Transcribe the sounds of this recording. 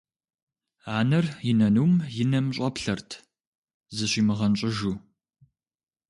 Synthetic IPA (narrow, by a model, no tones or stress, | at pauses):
aːnɐrjɪnɐnuːmjɪnɐmɕʼɐpɬɐrtʰ | zɨɕiːmɨʁɐnɕʼɪʒuː